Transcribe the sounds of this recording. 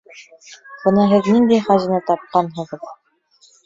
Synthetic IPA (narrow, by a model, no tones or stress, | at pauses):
b̥ɤnɑɦɘðniŋd̪æjχæʑĭnɤt̪ɑp̚qɑnɦɤ̆ʁɤ̆ð